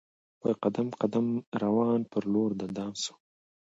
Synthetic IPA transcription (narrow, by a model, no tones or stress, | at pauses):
wajqad̪amqad̪amɾawɑːnpəɾloɾd̪əd̪ɑːmsu̥